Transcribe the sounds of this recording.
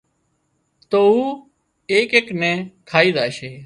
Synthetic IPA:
t̪oːuː | eːkeːknɛ̃ːkʰaːiːzaːʃeː

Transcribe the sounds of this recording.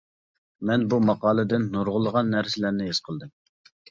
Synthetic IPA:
mɛnbumɑqɑːlˠɨd̪ɪnːoɾʁʊlˠəʁɑnːæɾsɪlæɾnɪɦez̥qʰəlˠd̪ɨm

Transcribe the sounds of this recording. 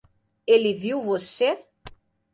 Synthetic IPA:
eliviwvose

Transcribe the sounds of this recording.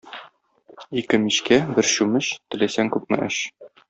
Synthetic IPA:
ikɘmiɕkæbɘɾɕʉmɘɕt̪ɘ̆læsæŋkʉp̚mɘ̰̆ʔɘ̰̆ɕ

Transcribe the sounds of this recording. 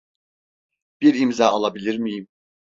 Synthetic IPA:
b̥iɾimzɑːɑlˠabilʲiɾmijim

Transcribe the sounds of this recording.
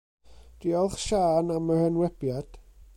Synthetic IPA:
d̥iɔlˠχʃaːnamərənwɛb̥jad̥

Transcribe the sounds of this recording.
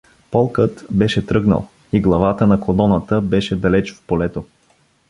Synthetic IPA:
pɔlˠkət̪bɛʃɛt̪ɾɤɡnə̰lˠ | iɡlˠɐvat̪ənɐkolɔnət̪əbɛʃɛd̪ɐlɛt͡ʃfpolɛt̪o

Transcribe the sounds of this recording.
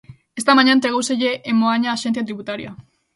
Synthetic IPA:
est̪amaɲant̪ɾeɣowseʝeʔemoaɲaːʃenθjat̪ɾiβut̪aɾḭa

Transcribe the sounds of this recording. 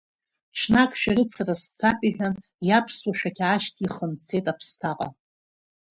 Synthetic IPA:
ʈ͡ʂʰnakʼʃᶣaɾɨt͡sʰarast͡sʰapʼiħᶣan | japʰswaʃᶣakʲʰaʃtʰʼiχəmt͡sʰe̞jtʼapʰstʰaqʼa̰

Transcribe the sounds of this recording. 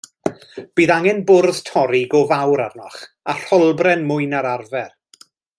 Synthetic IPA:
b̥iːðaŋɛnbʊrð̥tʰɔɾiɡɔvawɾarnɔχ | ar̥ɔlˠbrɛnmʊɨnaɾarvɛr

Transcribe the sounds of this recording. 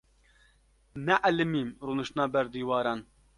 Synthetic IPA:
nɛʔalɨmiːmɾuːnɨʃt̪ɨnɑːbɛɾd̪iːwɑːɾɑːn

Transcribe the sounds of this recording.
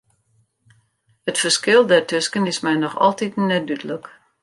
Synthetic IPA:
ətfərskɪlˠdɛrtøskənɪsmɛjnɔxɔ̰lˠtitnɛdytələk

